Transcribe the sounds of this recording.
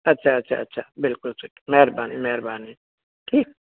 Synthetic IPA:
ɐtːʃʰaɐtːʃʰa̰ɐtːʃʰabɪlkʊlsikmɛːɾbaːnimɛɦɾbaːni | kʰiːk

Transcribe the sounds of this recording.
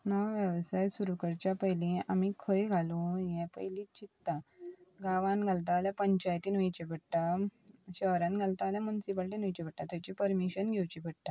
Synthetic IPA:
nəwʋjəʋsajsuɾukəɾt͡ɕjapəjlĩamikʰəjɡʱalojɛ̃pə̰jlĩt͡ɕit̪ːaɡaʋãnɡʱalt̪aljapəɲt͡ɕajt̪iːnʋəjt͡ɕebəɽʈaɕəɦɾãnɡʱalt̪aljamunsip̬əlʈinʋəjt͡ɕibʱəɽʈ̪ːat̪at͡ɕipəɾmiɕənɡʱɛwt͡ɕibʱəɽʈ̪a

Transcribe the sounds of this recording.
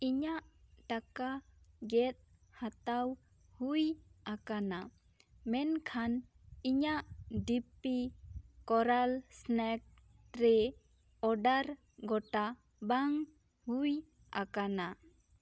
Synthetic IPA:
iɲaʔʈakaɡɛt̪̚ | hat̪aw | hujakana | mɛnkʰaniɲaʔɖipikɔɾalsnɛk̚ | ɾɛ | ɔɖaɾ | ɡɔʈa | baŋ | huj | akana

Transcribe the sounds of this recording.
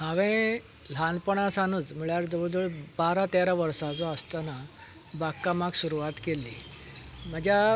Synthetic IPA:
ɦãʋẽ | l̤ʱanpəɳ̃asanət͡smiɭjaɾd͡zɔbəd̪ʱuɭbaɾat̪eɾaʋəɾsad͡zɔəst̪ana | bakːamaɡsuɾuat̪kelːi | məd͡ʑʱja

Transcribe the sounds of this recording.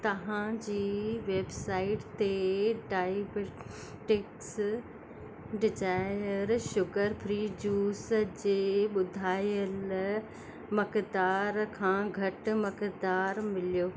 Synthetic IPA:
t̪ɐʋãd͡ʑiːʋeːbsaːɪʈt̪eɖaːjb | ʈɪks | ɖɪzaːɪjəɾʃʊkəɾpʰɾiːd͡ʑuːsd͡ʑeːɓʊd̪ʱaːjəl | mɐkd̪aːɾkʰãːɡʱɐʈ̆mɐkd̪aːɾmɪlijoː

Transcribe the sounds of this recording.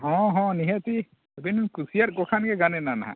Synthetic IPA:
ɦɔ̃ɦɔ̃niɦət̪i | abinkusijat̪̚ˀɡɔkʰanɡɛɡanɛnanaɦã̰

